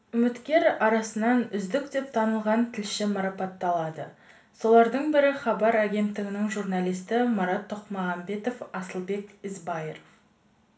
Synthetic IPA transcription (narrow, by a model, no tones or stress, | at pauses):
ʏmɪt̪kʲe̞ɾɑɾɑsənɑnʏzd̪ɪkd̪e̞p̚t̪ʰɑnəlˠʁɑnt̪ʰɪlʃɪmɑɾɑpɑt̪ːɑlˠɑd̪ə | so̞lˠɑɾd̪əɴbɪɾɪχɑbɑɾæɡʲe̞nt̪ːɪɡʲɪnɪŋʒuɾnɑlˠijst̪ɪmɑɾɑt̪ʰːoqmɑʁɑmbe̞t̪o̞fɑsəlˠbe̞kʲɪzbɑjeɾof